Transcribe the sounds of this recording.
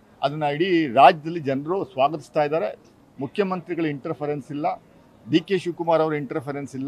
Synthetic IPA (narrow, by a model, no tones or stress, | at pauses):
ɐ̰d̪ɐnːɐiɽiɾaːd͡ʒɐd̪ɐlːid͡ʒɐnɾusʋaːɡɐt̪i̥st̪aːjd̪aːɾe | mukʰːjɐmɐnt̪ɾiɡɐɭuiɳʈɐɾpʰɐɾensilːɐ | biːkeːʃuːkumaːɾɐʋɐɾuiɳʈɐɾpʰeɾensilːɐ